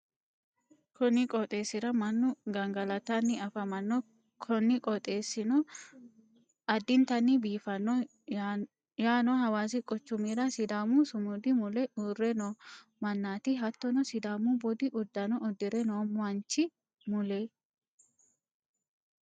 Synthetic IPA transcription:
kɔnːɪkʼɔt̪ʼe̞ːsːɪɾɐmɐnːʊɡɐŋɡɐlɐt̪anːɪɐfɐmɐnːɔ | kʰɔnːɪkʼɔt̪ʼe̞ːsːɪnɔ | ɐd̪ːɪnt̪ɐnːɪbiːfɐnːɔ | jaːnɔhɐwaːs̬ɪkʼɔt͡ʃːʊmiɾɐsɪd̪aːmʊsʊmʊd̪ɪmʊlɛuːrːɛnɔ | mɐnːaːt̪ɪɦɐt̪ːɔnɔsɪd̪aːmubɔd̪ɪʔʊd̪ːɐnɔɔd̪ːɪɾɛnoːmɐnt͡ʃːɪ | mʊle

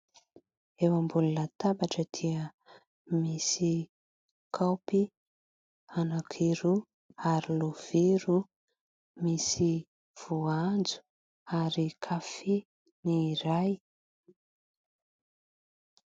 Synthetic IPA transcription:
ewambululat̪abaʈ͡ʂəd̪̥iə | misi | kʰawpi | anakʰiɾu | aɾilov̥iɾu | misi | v̥uand͡zu̥ | aɾikʰafi | niɾaj

